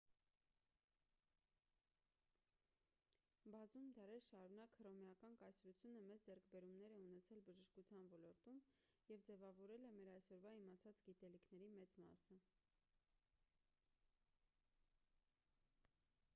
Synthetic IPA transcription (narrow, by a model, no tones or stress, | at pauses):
bɑzumd̪ɑɾɛɾʃɑɾunɑkhəɾɔmɛɑkɑnkɑjsɾut͡sʰjunəmɛt͡sd͡zɛɾkʰbɛɾumnɛɾɛunɛt͡sʰɛlbəʒəʃkut͡sʰjɑnvɔlɔɾt̪um | jɛvd͡zɛvɑvɔɾɛlɛmɛɾɑjsɔɾvɑimɑt͡sʰɑt͡sɡit̪ɛlikʰnɛɾimɛt͡smɑ̰sə